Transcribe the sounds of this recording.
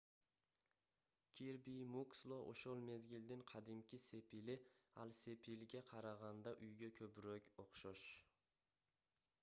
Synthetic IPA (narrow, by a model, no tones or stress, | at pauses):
kʲʰiɾbijmukslˠoʔo̰ʃolˠme̞zɡʲild̪ɪŋqʰɑd̪ɪmkʲʰɪse̞pʰilɪalsepʰilɡʲaqʰɑɾɑʁɑnd̪aʔʊjɡʲakʲʰɵpɾɔkʲoqʃɔʃ